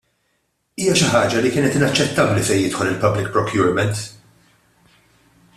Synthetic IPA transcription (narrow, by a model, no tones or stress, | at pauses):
iːjɐʃɪħɐːd͡ʒɐlikɪːnɛt̪ɪnɐt͡ʃːɛt̪ːɐblisɛjɪt̪ħɔlɪlpɐblɪk̚pɾɔkjʊːɾmɛnt̪